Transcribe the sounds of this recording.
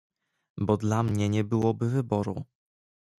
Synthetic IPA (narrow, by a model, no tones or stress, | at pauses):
bɔd̪lamɲɛɲɛbɘwɔbɘvɘbɔɾṵ